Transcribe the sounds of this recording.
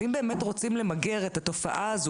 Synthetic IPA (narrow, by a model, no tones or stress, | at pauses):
imbe̞ːmetʁo̞t͡simle̞maɡeʁet̪at̪o̞fa̰ʔaaz